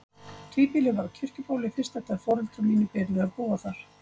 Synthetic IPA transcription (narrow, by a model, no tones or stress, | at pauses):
t̪ʰiːpilɪvaɾcʰʏr̥cʏpaːwlɪfɪ̥st̪ɛht̪aðfɔːɾʏlt̪ɾʏmiːnʏpɛːɾlɪaðpuːaθaɾ̥